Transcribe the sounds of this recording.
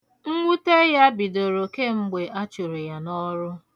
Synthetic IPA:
ŋ̩˦ŋʷu˦te˦ja˦bi˨do˨ɾo˨ke˦ŋ͡m̩˦ɡ͡be˨ʔa˦t͡ʃu˨ɾe˨ja˨nɔ˦ɾʊ˦

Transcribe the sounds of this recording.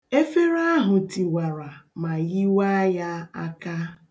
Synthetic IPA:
e˦fe˦ɾa˦ɦʊ˨ti˨wa˨ɾa˨ma˨ɣi˦wa˦ja˦a˦ka˦

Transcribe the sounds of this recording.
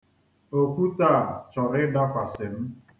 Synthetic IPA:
o˨kʷu˦ta˦˨t͡ʃɔ˨ɾɪ˦da˦kʷa˨sɪ˨m̩˦

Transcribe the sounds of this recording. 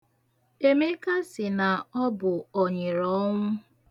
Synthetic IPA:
e˦me˦ka˦sɪ˨na˨ɔ˦bʊ˨ɔ˨ɲe˨ɾɔ˦ŋʷʊ˦

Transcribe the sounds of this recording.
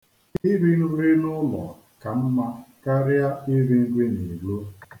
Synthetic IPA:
i˦ɾi˦n̩˦ɾi˦nʊ˦lɔ̰˨ | ka˨m̩˦ma˦ka˦ɾɪ˦a˦i˦ɾi˦ŋ̩˦ɡʷi˦ni˨ɡ͡bo˦

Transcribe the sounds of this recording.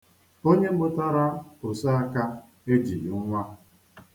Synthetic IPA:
o˦ɲe˦m̩˦bʊ˦ta˦ɾa˦o˨sa˦a˦ka˦ | e˦d͡ʒḭ˨ʊ˦ŋʷa˦

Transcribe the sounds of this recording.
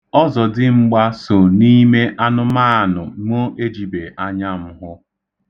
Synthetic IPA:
ɔ˦zɔ˨dɪ˦ŋ͡m̩˦ɡ͡ba˦so˨ni˦me˦ʔa˦nʊ˦maː˦a˨nʊ˨ŋo˦ʔe˦d͡ʒi˨be˨ʔa˦ɲa˦m̩˦ɦʊ˦

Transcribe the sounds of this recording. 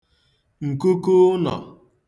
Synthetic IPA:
ŋ̩˨ku˦ku˦nɔ̰˨

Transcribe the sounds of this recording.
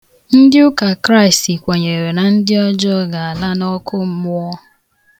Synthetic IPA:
n̩˦dɪ˦ʊ˦ka˨kɾa˦ɪ˨sti˨kʷe˨ɲe˨ɾe˨na˨n̩˦dɪ˦ɔ˦d͡ʒɔ˦ɡa˨a˨la˦nɔ˦kʊ˦m̩˦mʊ˦ɔ˦

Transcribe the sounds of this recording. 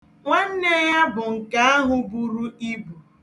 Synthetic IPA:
ŋʷa˦n̩˦ne˦ja˦bʊ˨ŋ̩˨ka˦a˦ɦʊ˨bu˨ɾu˦i˦bu˨

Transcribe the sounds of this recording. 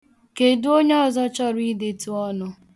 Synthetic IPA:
ke˨du˦o˦ɲe˦ɔ˦zɔ˦t͡ʃɔ˦ɾi˦de˨tu˦ɔ˦nʊ˦

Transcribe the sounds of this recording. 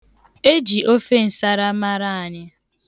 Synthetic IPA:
e˦d͡ʒi˨ʔo˦fe˦n̩˨sa˦ɾa˦ma˦ɾa˦˨a˨ɲɪ˦

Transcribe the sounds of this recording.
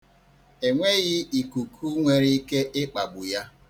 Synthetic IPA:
e˨ŋʷe˦ɣɪ˦i˨ku˨kʰu˦ŋʷe˨ɾi˦i˦ke˦ʔɪ˦k͡pa˨ɡ͡bʊ˨ja˦

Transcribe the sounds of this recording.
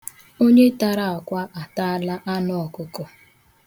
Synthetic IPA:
o˦ɲe˦ta˨ɾa˨a˨kʷa˦ʔa˨ta˦a˦la˦ʔa˦nɔ˦˨ɔ˨kʊ˦kɔ˨

